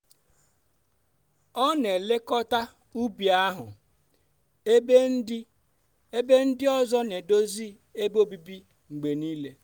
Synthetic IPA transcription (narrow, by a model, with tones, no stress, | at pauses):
ɔ˦ne˨le˦kɔ˦ta˦ | u˦bi˨a˦ɦʊ̰˨ | e˦be˦n̩˦dɪ˦ | e˦be˦n̩˦dɪ˦ɔ˦zɔ˦ne˨do˦zi˦ | e˦bo˦bi˦bi˦ | ŋ͡m̩˨ɡ͡be˨niː˦le˦